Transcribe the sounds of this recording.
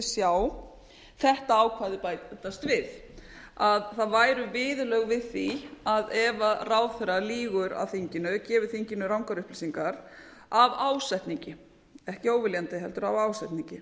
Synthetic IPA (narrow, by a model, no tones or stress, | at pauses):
sjaw | θɛht̪aaːwkʰvaðɪpaːjt̪ɛt̪ːast̪vɪð | aðθaðvaːjɾʏvɪːðʏlœɣvɪðθiaðɛvaraːwθɛɾaliːɣʏɾa̰wθiɲcɪnʏcɛːvʏ̥θiɲcɪnːʏɾawŋkaɾʏhplisiŋkaɾ | avaːwsɛht̪niɲcɪ | ɛhcɪoːwvɪljant̪ɪɦɛlt̪ʏɾa̰vaːwsɛjht̪niɲcɪ